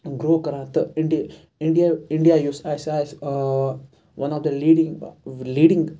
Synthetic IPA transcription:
ɡɾoːkɐɾãːt̪ɐɪɳɖi | ɪ̃ɳɖijaɪ̃ɳɖijajuːsajsaɪs | ʋɐ̃nɔfd̪ɐliːɖĩŋliːɖɪ̃ŋɡ

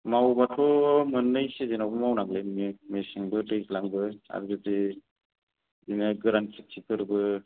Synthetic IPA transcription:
mawbatʰɔmɯnːɯjsezenawbɯmawnaɡlemimesiŋbɯtɯjslaŋbɯa̰ɾzɯdi | zinaɡɾansʰik̚sʰikʰɯɾbɯ

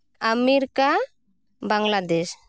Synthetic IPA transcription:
amiɾka | baŋɡlad̪ɛs

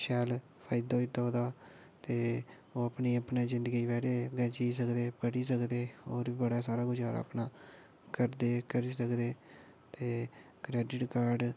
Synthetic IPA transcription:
ʃɛːl | pʰaːjɪd̪aoit̪ːoːd̪aː | t̪eː | oːəpniːəpneːzɪnd̪əɡiːʋɛːɖeːɡɛ̃ːt͡ʃiːs̬əkd̪eːpəʈiːs̬əkd̪eːoːɾiːbəɽaːsaːɾaːɡʊd͡ʒaːɾa̰ːpnaː | kəɾd̪eːkəɾiːsəkd̪eː | t̪eː | kɾɛːɖɪʈkaːɾɖ

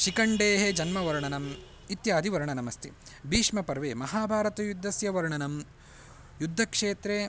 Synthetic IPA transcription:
ʃikɐɳɖeːɦed͡ʒɐnmɐʋɐɾɳɐnɐm | it̪jaːd̪ʱiʋɐɾɳɐnɐmɐst̪ʰibʱiːʂmɐpɐɾʋeːmɐɦaːbʱaːɾɐt̪ɐjud̪ʱːɐsjɐʋɐɾɳɐnɐm | jud̪ʱːɐkʂeːt̪ɾeː

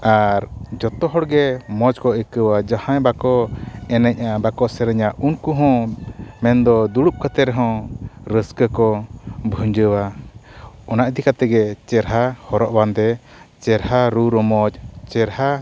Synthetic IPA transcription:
aɾd͡ʒɔt̪ɔɦɔɽɡɛmɔd͡ʒkɔəkəwad͡ʒahãjbakɔɛnɛɲ̚abakɔʔsɛɾɛɲaʔunkuɦɔ̃mɛnd̪ɔd̪uɽup̚kət̪ɛɾɛɦɔ̃ɾəskəkɔbʱuɲd͡ʒəwa | ɔnaʔd̪ikat̪ɛɡɛt͡ʃɛɾɦahɔɾɔʔband̪ɛ | t͡ʃɛɾhaɾuɾɔmɔd͡ʒt͡ʃɛɾɦa

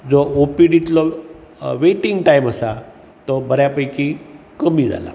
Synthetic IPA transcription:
d͡zɔopiɖit̪lɔ | ʋeʈiŋɡʈaiməsa | t̪ɔbəɾjapəjki | kəmiːd͡za̰la̰

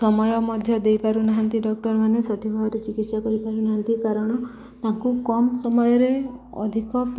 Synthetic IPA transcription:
sɔmɔjɔmɔd̪ʱjɔd̪ejpaɾunaɦant̪iɖɔk̚ʈɔɾmanesɔʈʰibʱɔɦɔɾet͡ʃiɡit̪sakɔɾipaɾunaɦant̪ikaɾɔɽ̃ɔ | t̪aŋkukɔmsɔmɔjɔɾeɔ̰d̪ʱikɔp

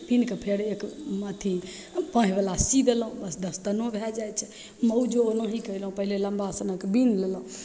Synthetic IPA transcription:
pinkepʰeɽekmat̪ʰi | pãːɦibəlasid̪əlɦũbəsd̪əst̪ənõbʱjad͡ʒajt͡ʃʰɛ̥ | məud͡ʒoonəɦikəilɦũpəɦilelə̃mbasənəkbiːnlelɦũ

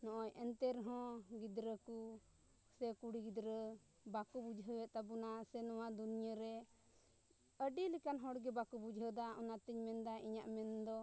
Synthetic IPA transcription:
nɔ̃ʔɔjɛnt̪ɛɾɦɔ̃ɡid̪ɾəku | sɛkuɽiɡid̪ɾə | bakubud͡ʒʱɦəwɛʔ̪̚t̪abunasɛnɔwad̪unijəɾɛ | əɖilikanɦɔɽɡɛbakubud͡ʒʱɦəd̪aɔnat̪iɲmɛnd̪aʔiɲaʔmɛnd̪ɔ

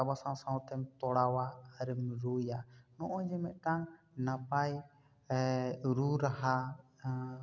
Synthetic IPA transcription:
abasãwsãwt̪ɛmt̪ɔɽawaːɾɛmɾujanɔʔɔd͡ʒɛmɛʔ̪̚ʈaŋ | napaj | ɾuɾaɦa

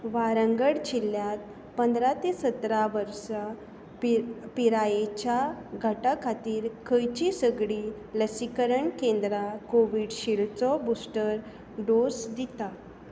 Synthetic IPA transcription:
ʋaɾəŋɡəɽd͡ʑilːjat̪̚ | pənd̪ɾat̪esət̪ɾaʋəɾsa | ppiɾajet͡ɕjaɡʱəʈakʰat̪iːɾkʰəjt͡ɕisəɡɽi | ləsikəɾəɳkẽnd̪ɾakoʋiɽɕiɭt͡sɔbusʈəɾ | ɖosd̪it̪a

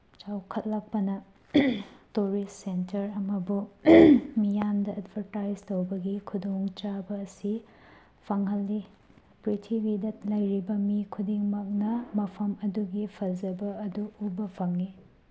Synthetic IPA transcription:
t͡ʃawkʰɐt̚lak̚pɐnɐ | tuɾistːentɐɾɐmɐbu | mijandɐɐdbʱɐɾtajd͡ʒtowbɐɡikʰudoŋt͡ʃabɐːsi | pʰɐŋɦɐlːi | pɾitʰibidɐt̚lɐjɾibɐmikʰudiŋmɐk̚nɐmɐpʰɐmɐduɡipʰɐzɐbɐɐduubɐpʰɐŋːi

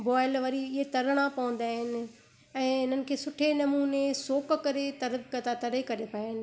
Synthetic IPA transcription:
bɔːɪlʋɐɾiɪɦet̪ɐɾəɽ̃ãpɐʋə̃n̆d̪aːɦɪnɪ̆ | ɛ̃ːɪn̤ənɪ̆kʰeːsʊʈʰenɐmuːnesoːkkɐɾet̪ɐɾkɐt̪at̪ɐɾekɐɾepʰaːɦɪnɪ̆

